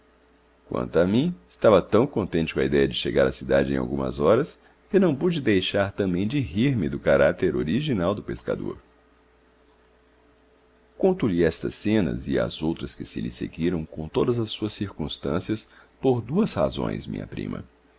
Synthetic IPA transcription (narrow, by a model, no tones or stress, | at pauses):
kwɐ̰̃nt̪ʊamĩɪst̪avɐt̪ɐ̃w̃kõnt̪ẽt͡ʃɪkõɐ̰id̪ɛjɐd͡ʒɪʃeɡaɾɐsid̪ad͡ʒɪẽj̃a̰wɡũmɐ̰zɔɾɐs | kɪnɐ̃w̃pud͡ʒɪd̪ejʃaɾt̪ɐ̃mbẽj̃d͡ʒɪɦiɾmɪd̪ʊkaɾat̪eɾoɾiʒinawd̪ʊpeska̰d̪o̰ɾ | kõnt̪uliɛst̪ɐsẽnɐ̰zɪɐ̰zowt̪ɾɐskɪsɪ̰lɪsḛɡiɾɐ̃w̃kõt̪od̪ɐzɐsuɐsːiɾkũst̪ɐ̃siɐs | poɾd̪uɐsha̰zõ̰j̃smḭ̃ɲɐ̰pɾḭ̃mʔɐ̰